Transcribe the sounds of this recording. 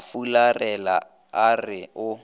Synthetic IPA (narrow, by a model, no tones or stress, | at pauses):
fularɛla | arɪʊ